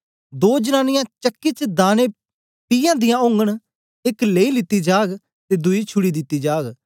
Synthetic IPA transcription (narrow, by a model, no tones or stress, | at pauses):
d̪oːd͡ʒənaːnɪjãːt͡ʃəkːit͡ʃd̪aːne | pijãːd̪ɪjãʊ̃ŋɡəɽ̃ | ɪkleːilɪt̪ːid͡ʒaːɡ | t̪eːd̪ʊiːt͡ʃʰʊɽid̪ɪt̪ːid͡ʒaːɡ